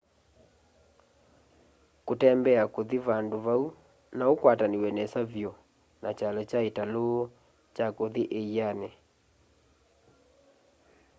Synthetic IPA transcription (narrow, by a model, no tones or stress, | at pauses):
kotɛmbɛakoðiβandoβau | naokwataniwɛnɛsavjɔ | nat͡ʃalɛt͡ʃaetalo | t͡ʃakoðiʔeianɛ